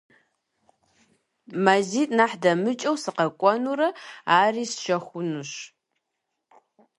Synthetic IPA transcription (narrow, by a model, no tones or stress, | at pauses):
maziːtʼnaħdɐmɨt͡ʃʼɐwsɨqɐkʷʼɔnuɾɐaːriːsʃɐxʷʊnuɕ